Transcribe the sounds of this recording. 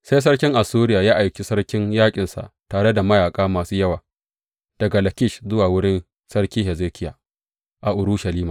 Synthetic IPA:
sa˦js̬ɐ˦rkʲɪ˦ŋʔa˨suː˦ɾɪ˦jaː˨jaː˦ʔa˨jkʲi˨sɐ˦rkʲɪ˦ɲjaː˦kʲʼɪ˨nsa̰˨ʔtaː˨ɽe˦da˨mɐ˦jaː˨kʼaː˦maː˨suː˦jɐ˦waː˨ | d̥ɐ˨ɡa˨lɐ˨kʲɪ˦˨ʃzʊ˦waː˨wʊ˦ɽɪ˦n | sɐ˦rkʲiː˦ɦɛ˨zeː˦kʲʰɪ˦ja̰ː˨ | ʔa˨ʔʊ˨ɾuː˦ʃɐ˨liː˦maː˨

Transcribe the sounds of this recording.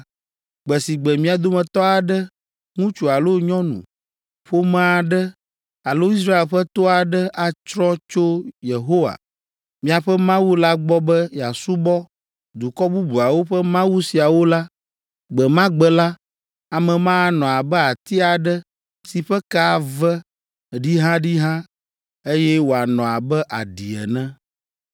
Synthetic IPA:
ɡ͡bɛ˨si˨ɡ͡bɛ˨mĩ˦a˨d̪o˦mɛ̃˨t̪ɔ˦a˨ɖɛ˦ | ŋũ˦t͡ʃu˨a˨lo˦ɲɔ̃˦nṵ̃˨ | ɸo˦mã˦a˨ɖɛ˦ | a˨lo˦i˦s̬ɾa˦e˨lɸɛ˦t̪o˦a˨ɖɛ˦ʔa˨t͡ʃɾɔ̃˦t͡ʃo˦je˨ɦo˦wa̰˨ | mĩ˦a˨ɸɛ˦mã˦wu˦la˦ɡ͡bɔ˦bɛ˦ja˨su˦bɔ˦ | d̪u˨kɔ˦bu˦bu˨a˨wo˦ɸɛ˦mã˦wu˦si˨a˨wo˦la˦ | ɡ͡bɛ˨mã˦ɡ͡bɛ˦la˦ | a˨mɛ̃˨mã˦nɔ̃˨a˨bɛ˦a˨t̪i˦a˨ɖɛ˦ | si˨ɸɛ˦ka˦˨vɛ˦ | ɖi˦ɦã˦ɖi˦ɦã˦ | e˦jɛ˦wo˨a˨nɔ̃˨a˨bɛ˦ʔa˨ɖi˨ɛ̰˨nɛ̃˦

